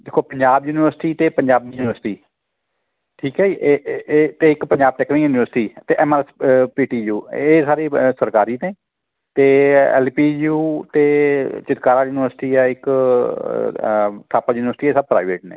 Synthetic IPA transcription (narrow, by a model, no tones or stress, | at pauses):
d̪eːkʰːoːpəɲd͡ʒaːbjuːnɪʋəɾsʈiːt̪eːpəɲd͡ʒaːbnijuːnɪʋəɾsʈiː | ʈʰiːkɦɛːiːet̪eːɪkpəɲd͡ʒaːb̚ʈɛːknĩkjuːnɪʋəɾsʈiːt̪eːʔɛːmaɾspiːʈiːjuːeːsaːɾeːsəɾkaːɾiːnẽː | t̪eːɛ̰ːlpiːuːt̪eːt͡ʃɪt̪kaːɾaːjuːnɪʋəɾsʈiːɛːɪk | ʈʰaːpaːjuːnɪʋəɾsʈiːeːsəb̚pɾa̰ːɪʋeːʈnḛ̃ː